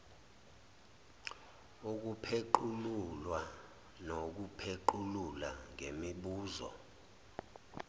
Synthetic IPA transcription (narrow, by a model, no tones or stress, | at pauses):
uk̬upʰeǃululwa | nok̬upʰeǃululaŋemiɓuːzɔ̰